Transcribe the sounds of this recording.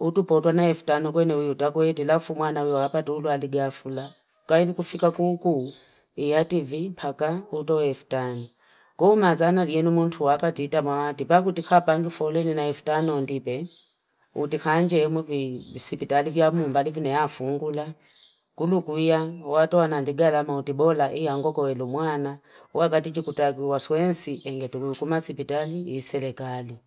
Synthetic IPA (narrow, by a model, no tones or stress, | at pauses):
utupɔtʼwanaɛfu̥tʼanɔk̬ʼwɛnɛujutʼakwɛtilafumwanaujɔapatʼiulualiɡiafula | kʼailikufikʼakʼukʼu | ijatʼivimpʰakautʼɔɛfu̥tʼaŋi | kɔumazanaliɛnumuntʰuwapatitʼamawatʼipak̬utikʰapʼaŋɡifɔlɛninaɛfu̥tʼanɔndipɛ | ṵtikʰand͡ʒɛmwɛvisipitalivjamumbalivinɛjafuŋɡula | kulukuijawatɔwanandiɡalamautibɔlaʔijaŋɡɔkɔwɛlumwana | uwakatit͡ʃikutakiwaswɛnsiʔɛŋɡɛtuluikumasipitaliisɛlɛkali